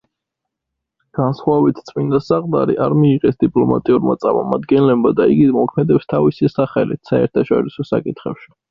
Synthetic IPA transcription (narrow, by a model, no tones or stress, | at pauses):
ɡ̥ansχwavit̪ʰt̪sʼmind̪asaqʼd̪ʼa̰ɾḭʔaɾmiːʁɛsd̪ipʼlɔma̰t̪ʼiuɾmat̪sʼaɾmɔmad̪ɡɛnlɛbmad̪aiɡimɔkʰmɛd̪ɛpst̪ʰavisisaχɛlḭt̪ʰsaɛ̰ɾt̪ʰaʃɔ̰ɾisɔsa̰kʼit̪ʰχɛpʃi̥